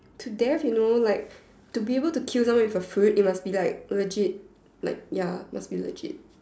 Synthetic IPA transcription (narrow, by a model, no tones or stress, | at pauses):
tʰudɛfjunolaɪk̚ | tubiebəltukʰilsãmwɔ̃nɪfəfɹut̚it̚masbilaɪk̚ləd͡ʒit̚ | la̰ɪk̚jamasbilə̰d͡ʒɪ̰t̚